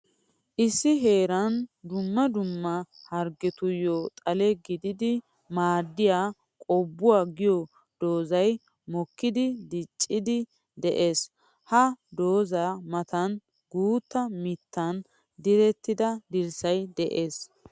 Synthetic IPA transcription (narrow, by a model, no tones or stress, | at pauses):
ʔɪsːɪɦe̞ːɾɐnd̪ʊmːɐd̪ʊmːɐ | hɐɾɡɛt̪ʊjɔt̪ʼɐlɛɡɪd̪ɪd̪ɪ | maːd̪ːɪjaː | kʼɔbːʊwaːɡɪjɔ | d̪̥o̞ːzɐj | mɔkːɪd̪ɪd̪ɪt͡ʃʼːɪd̪ɪ | d̪ɛʔe̞ːs | hɐd̪oːzamɐt̪ɐn | ɡuːt̪ːɐmɪt̪ːɐn | d̪ɪɾɛt̪ːɪd̪ɐd̪ɪɾsɐjd̪ɛʔeːs